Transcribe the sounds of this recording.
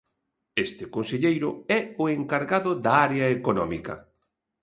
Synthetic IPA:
est̪ɪkonseʎejɾʊɛʊeŋkaɾɣaðʊðaaɾeɐekonɔ̰mikɐ̰

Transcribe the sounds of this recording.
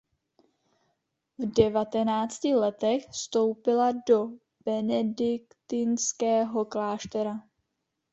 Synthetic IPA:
vdɛvat̪ɛnaːt͡scɪlɛt̪ɛxfst̪o̞wpɪlado̞ | b̥ɛnɛdɪkt̪ɪnskɛːɦo̞klaːʃt̪ɛɾa

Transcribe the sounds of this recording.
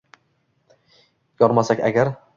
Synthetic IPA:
jɒɾmasakʲa̰ɡʲaɾ

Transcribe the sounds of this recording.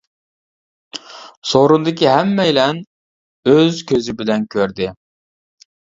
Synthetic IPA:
soɾund̪ɪkʲiɦɛmːɛjlɛn | øzkʲʰøzɪbɪlɛnkʲʰøɾd̪ɪ

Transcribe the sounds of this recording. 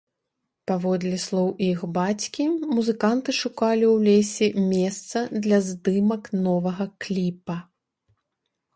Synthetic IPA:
pavɔd̪lʲɛslˠɔwixbat͡sʲkʲimuzɨkant̪ɨʂukalʲiwlʲesʲɛmʲɛst̪sɐd̪lʲɐzd̪ɨmɐknɔvɐɣɐklʲipɐ

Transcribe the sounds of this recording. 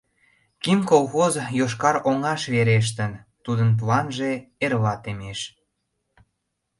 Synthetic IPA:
kimkolxozjoʃkɑɾoŋɑʃβeɾeʃ̬t̪ənt̪ud̪ənp̬lɑnʒe̽erβɑt̪emeʃ

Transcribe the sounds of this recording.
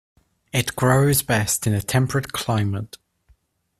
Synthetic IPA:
ɪʔɡ̥ɹoʊzbɛstɪ̃nətʰɛ̃mpʰɹəʔkʰl̥aɪ̃mət

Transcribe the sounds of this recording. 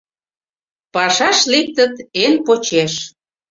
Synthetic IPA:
pɑʃɑʃlek̚t̪ə̆t̪enpot͡ɕeʃ

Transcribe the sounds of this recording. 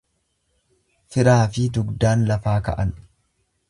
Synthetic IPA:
fɪɾaːfɪd̪ʊɡd̪aːnlɐfaːkɐ̰ʔɐn

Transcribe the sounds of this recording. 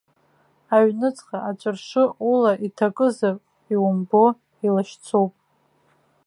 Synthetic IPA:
aɥnɨt͡sʼχaʔat͡ʃʷʼɨrʂɨulaʔitʰakʼɨzapʼ | iwʊmbo̞ | ilaʃt͡sʰowpʼ

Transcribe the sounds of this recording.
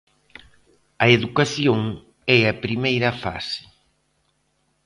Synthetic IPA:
ɐeðukaθjoŋ | ɛɐpɾimejɾɐfa̰sɪ̥

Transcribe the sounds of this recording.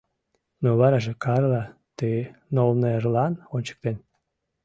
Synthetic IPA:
noβɑɾɑʒekɑrlɑ | t̪enolneerlɑnonʲt͡ɕə̥k̚t̪en

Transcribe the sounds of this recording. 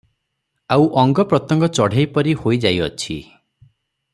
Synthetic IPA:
awʔɔŋɡɔpɾɔt̪ɔŋɡɔt͡ʃɔɽ̤ejpɔɾihojd͡ʒajɔ̰t͡ʃʰḭ

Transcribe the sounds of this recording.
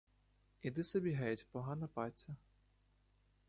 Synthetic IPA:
id̪ɪsɔbʲiɦɛjtʲpɔɦɑnɐpɑt͡sʲːɐ

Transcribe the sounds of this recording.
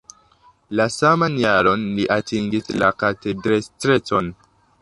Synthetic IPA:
lasamanjaɾo̞nliʔatiŋɡislakate̞dɾestɾe̞t͡so̞n

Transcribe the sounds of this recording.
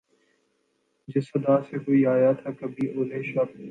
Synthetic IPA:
d͡ʒɪsɐd̪aːsekoːiːaːjat̪ʰakɐbʱiːʔoːlẽːʃɐp̚

